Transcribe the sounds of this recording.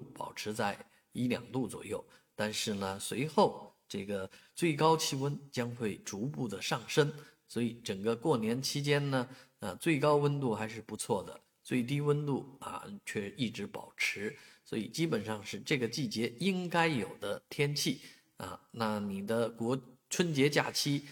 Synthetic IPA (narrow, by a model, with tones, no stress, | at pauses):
pɑ̰˨˩ʊʈ͡ʂʰɻ̩˧˥t͡sa˥˩ɪ | i˧˥ljɑ̰˨˩ŋt̪u˥˩t͡swɔ̰˨˩jo˥˩ʊ | t̪a˥˧nʂɻ̩˥˩nə˩swe˧˥ɪxo˥˩ʊʈ͡ʂɤ˥˩ɡə˩t͡swe˥˩ɪkɑ˥ʊt͡ɕʰi˥˧wə˥nt͡ɕjɑ˥ŋxwe˥˩ɪʈ͡ʂu˧˥pu˥˩d̪ə˩ʂɑ˥˩ŋʂə˥n | swɔ˧˥i˨˩ʈ͡ʂə˨˩ŋɡə˦kwɔ˥˩njɛ˧˥nt͡ɕʰi˥t͡ɕjɛ˥nnə˨ | ə˧t͡swe˥˩ɪkɑ˥ʊwə˥nt̪u˥˩xa˧˥ɪʂɻ̩˥˩pu˧˥t͡sʰwɔ˥˩d̪ə̰˩ | swe˥˩iɪ˩t̪̬i˥wə˥nt̪u˥˩ɐ̰˧t͡ɕʰɥɛ˥˧i˥˩ʈ͡ʂɻ̩˧˥pɑ̰˨˩ʊʈ͡ʂʰɻ̩˧˥swɔ̰˧˥i˨˩t͡ɕi˥pə˨˩nʂɑ˥˧ŋʂɻ̩˥˧ʈ͡ʂɤ˥˩ɡə˩t͡ɕi˥˩t͡ɕjɛ˧˥i˥ŋka˥ɪjo˨˩ʊd̪ə˦t̪ʰjɛ˥nt͡ɕʰi˥˩ | ɐ̰˧na˥˩ni˨˩d̪ə˦kwɔ˧˥ʈ͡ʂʰwə˥nt͡ɕjɛ˧˥t͡ɕja̰˥˩t͡ɕʰi˥